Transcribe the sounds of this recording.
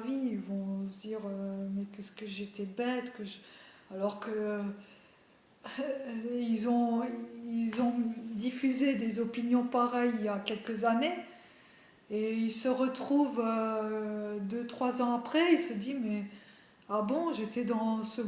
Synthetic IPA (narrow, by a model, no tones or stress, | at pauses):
viilvɔ̃səd̪iʁømɛkɛskəʒet̪ɛbɛt̪kəʒalɔʁkə | ilzɔ̃ilzɔ̃d̪ifyzed̪ezɔpinjɔ̃paʁɛjijakʲɛlkəzane | eilsəʁət̪χuvø | d̪øt̪χwazɑ̃apχɛilsəd̪imɛ | abɔ̃ʒet̪ɛd̪ɑ̃sə